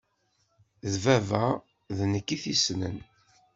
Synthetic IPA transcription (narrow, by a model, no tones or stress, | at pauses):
ðvævæ | ðnəkːiθisnə̰n